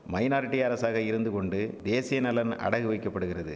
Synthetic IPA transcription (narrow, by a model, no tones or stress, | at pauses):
mɐɪnaːɾɪʈːiɐɾɐsaːɣɐɪɾɯnd̪ɯkɔɳɖɯd̪eːsɪjɐnɐlɐnɐ̰ɽɐɣɯʋɐɪkːɐpːɐɽɯɣɪrɐðɯ̰